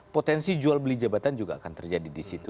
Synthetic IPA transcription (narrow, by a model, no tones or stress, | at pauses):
pot̪ɛnsid͡ʒualbəlid͡ʒabat̪and͡ʒuɡaːkant̪ərd͡ʒadidisit̪u